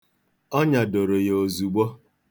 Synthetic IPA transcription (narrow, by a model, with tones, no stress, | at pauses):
ɔ˦ɲa˨do˨ɾo˨je˨o˨zu˨ɡ͡bo˦